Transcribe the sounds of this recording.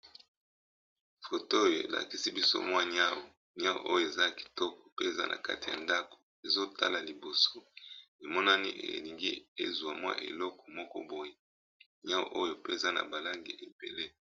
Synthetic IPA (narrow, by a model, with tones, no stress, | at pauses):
fo˨to˦o˦jo˨e˨la̰˨ki˦si˦bi˦so̰˦mwa˦ɲa˦wo˨ | ɲa˦wo̰˨ʔo˦jo˦˨e˨za˦ki̥˨tɔ˦kɔ̥˨pe˦˨za̰˦nʔa̰˨ka˦ti˨ja̰˨nda˦ko̥˨ | e˨zo˦tʰa˦la˨li˨bo˨so˦e˨mɔ˦na˦ni˦ʔḛ˨li˨ŋɡi˦e˦zu˨a˨mwa̰˦ʔḛ˨lɔ˦kɔ̥˨mɔ˦kɔ̰˦bo˨je˦ | ɲa˦wo̰˦ʔo˦jo˨pe˦e˨za˦na̰˨ba˨la˦ŋɡi˨ʔe˨b̥e˨le˦